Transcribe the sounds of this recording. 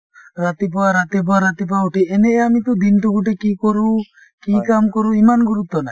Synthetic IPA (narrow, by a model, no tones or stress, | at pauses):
ɾat̪ip̬ɔaɾat̪ip̬ɔaɾat̪ip̬auʈiɛnɛʔɛamit̪ɔd̪inʈukuʈɛkikɔɾu | kikamkɔɾuimanɡuɾup̚t̪ːɔna